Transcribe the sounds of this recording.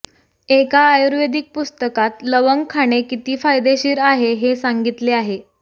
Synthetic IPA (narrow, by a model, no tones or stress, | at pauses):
ekaːjuɾʋed̪ik̚pust̪əkat̪ləʋəŋɡkʰaɽ̃ekit̪iːfajd̪eɕiːɾaɦeɦesaŋɡit̪leaɦe